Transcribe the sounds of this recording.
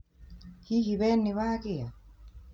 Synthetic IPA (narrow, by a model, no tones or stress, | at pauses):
hiɦiβɛnːiβakia